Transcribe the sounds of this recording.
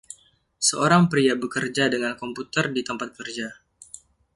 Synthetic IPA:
səoɾaŋpɾiabəkərd͡ʒadəŋankɔmput̪ərdit̪əmpat̪̚kərd͡ʒa

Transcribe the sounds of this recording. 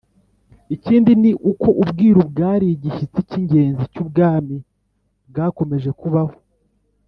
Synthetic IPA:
iciːndiniʔuko̞ʔubɡiːɾubɡaːɾiɟiʃit͡siciɲɟe̞ːnzicub̚ɡaːmi | b̚ɡaːko̞me̞ʒe̞kuβaho̥

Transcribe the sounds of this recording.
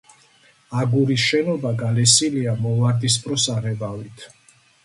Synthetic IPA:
aɡuɾisʃɛnɔbaɡalɛsiliamɔvaɾd̪ispʼɾɔsaʁɛbavit̪ʰ

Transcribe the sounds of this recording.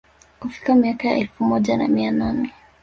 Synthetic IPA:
kufi̥kamiakaja̰ʔɛlfumɔʄana̰miananɛ

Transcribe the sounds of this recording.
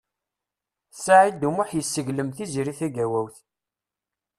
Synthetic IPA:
saʕid̪umʊħjəsːəʝləmθiziɾiθæɡæwæwθ

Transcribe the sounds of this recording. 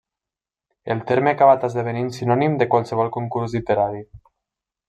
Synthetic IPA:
elˠt̪eɾmeakaβ̞at̪azðeβ̞eninsinɔnimd̪əkwalˠsəβɔlˠkuŋkuɾzlit̪eɾaɾi

